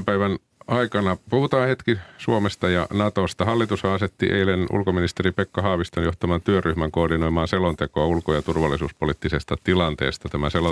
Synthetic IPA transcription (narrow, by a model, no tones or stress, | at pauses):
mpæiʋæn | ɑikɑnɑpuhut̪ɑːhet̪kisuomest̪ɑjɑ̰nɑt̪ost̪ɑhɑlːit̪ushɑːset̪ːḭʔḛilenʔṵlkominist̪eɾipekːɑɦɑːʋist̪ojoht̪ɑmɑnt̪yøryhmæŋkoːrdino̞imɑːnselont̪ekoɑulkojɑt̪urʋɑlːisuːspolit̪ːisest̪ɑt̪ilɑnt̪ḛːst̪ɑt̪æmæselo